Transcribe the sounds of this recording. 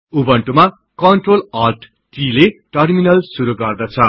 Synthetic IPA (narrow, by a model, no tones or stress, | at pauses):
ubʌɳʈuma | kʌnʈrolarʈ | ʈileʈʌrminʌlsuɾuɡʌrd̪ʌt͡sʰʌ